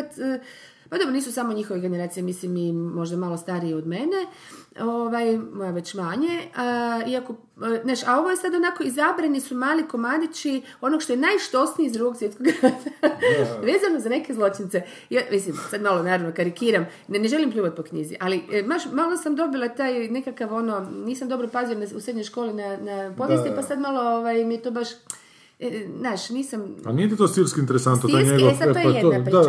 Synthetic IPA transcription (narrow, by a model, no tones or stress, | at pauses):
t̪ː | pad̪obɾoniːsusamo̞ɲixoʋeɡe̞neɾaːt̪sijemislimimo̞ʒd̪amalˠo̞st̪aɾieo̞d̪me̞ne | o̞ʋajmojaʋe̞t͡ɕmaːɲe | iako̞ | naːʃao̞ʋo̞jesad̪o̞nako̞izabɾanisumaːliko̞mad̪it͡ʃi | o̞noɡʃt̪o̞jenajʃt̪o̞snijeizd̪ɾuɡoɡsʋjet̪koɡɾaza | ʋeːzano̞zane̞kezlˠo̞t͡ʃint̪se | jamislimsad̪malo̞naːɾaʋnokaɾikiːɾam | nneʒe̞limpʎʲuːʋat̪̚po̞kɲizḭʔalimaʃmalosamd̪o̞bilat̪aːjne̞kakaʋo̞no̞niːsamd̪o̞bɾopazionausɾed̪ɲo̞jʃkoːlinanapo̞ʋjest̪ipasad̪malo̞oʋajmijet̪obaʃ | naːʃniːsampa̰nijet̪it̪osiɾskint̪eɾesant̪not̪iaɲeɡoapaejed̪aa